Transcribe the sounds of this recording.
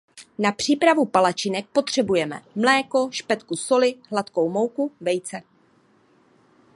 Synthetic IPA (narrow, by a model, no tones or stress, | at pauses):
napr̝̥iːpɾavupalat͡ʃɪnɛk̚po̞t̪r̝̥ɛbujɛmɛ̰mlɛːko̞ʃpɛt̪kuso̞lɪɦlat̪ko̞wmo̞wkuvɛjt͡sɛ